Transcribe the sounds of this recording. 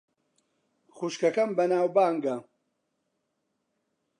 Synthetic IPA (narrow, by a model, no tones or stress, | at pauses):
xuʃkɐkɐmbɐnaːwbaːŋɡɐ